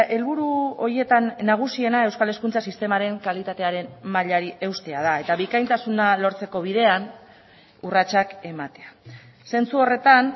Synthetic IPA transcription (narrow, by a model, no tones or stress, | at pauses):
e̞lβuɾuo̞ɾje̞t̪anːaɣ̞usie̞nae̞wskale̞skunt͡sasist̪e̞maɾe̞ŋkalit̪at̪e̞aɾe̞nmaʎaɾiʔe̞wst̪e̞að̞ae̞t̪aβikajnt̪asunalo̞ɾt͡se̞ko̞β̞iðe̞an | urat͡ʃake̞mat̪e̞a | se̞nt͡suo̞re̞t̪an